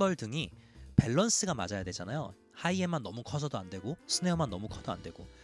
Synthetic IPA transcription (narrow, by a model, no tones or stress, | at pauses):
bʌɭdɯŋipe̞ɭːʌns͈ɯɡama̰d͡ʑajadwe̞d͡ʑanajo | haiemanːʌmukʰʌsʰʌdoandwe̞ɡosʰɯne̞ʌmanːʌmukʰʌdoa̰ndwe̞ɡo